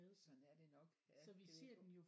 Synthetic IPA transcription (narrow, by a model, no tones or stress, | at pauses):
eðˠsɒnæɐd̥enɒ̽ɡ̥sɒ̽ʋise̝ɐ̰d̥enjo̝